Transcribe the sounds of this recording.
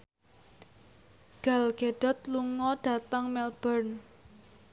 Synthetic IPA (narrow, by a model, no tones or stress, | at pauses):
ɡ̥a̤lɡ̥eɖ̥ɔ̤t̪luŋɔɖ̥a̤t̪aŋmɛlb̥ərn